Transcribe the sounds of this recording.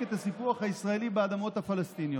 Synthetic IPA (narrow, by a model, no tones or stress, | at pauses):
et̪hasipuaχhaisʁae̞libead̪amo̞t̪hafalest̪injo